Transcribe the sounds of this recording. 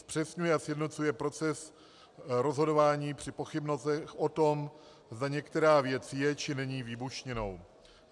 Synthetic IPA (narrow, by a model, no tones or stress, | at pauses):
spr̝̥ɛsɲujɛasjɛdno̞t͡sujɛpɾo̞t͡sɛs | ɾo̞zɦo̞do̞vaːɲiːpr̝̥ɪpoxɪbnosɛxʔo̞t̪o̞m | zd̪aɲɛkt̪ɛɾaːvjɛt͡sjɛt͡ʃɪnɛɲiːvɪbuʃɲɛno̞w